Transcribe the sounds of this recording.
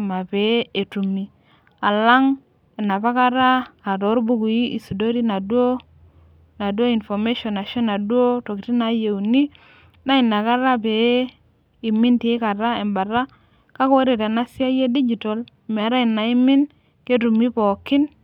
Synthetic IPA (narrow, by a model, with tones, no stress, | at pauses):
ma˨pe˨˦e˨tu˨mːi˨ | a˨la˦ŋ | e˨nːa˨pa˦ka˦ɾaː˦˨to˨˦ɾbu˦ku˨ji˦ʔi˨su˨do˦ɾi˦na˨du˦o˦ | na˨du˦o˦i˨nfo˨me˦ʃo˨na˨ʃo˦na˨du˦o˦to˨ki˨ti˦na˨˦je˨u˨ni˦ | na˦i˨nːa˨ka˦ɾa˦pe˨˦ | i˨mi˦nti˨˦ka˨ɾa˦e˨mba˨ɾa˦ | ka˦ko˦ɾe˨te˨na˦si˦a˦je˦di˦d͡ʒi˨to˨lme˨a˨ɾa˦i˨na˨i˦mːi˦n | ke˦tu˨mi˦po˨kːi˦n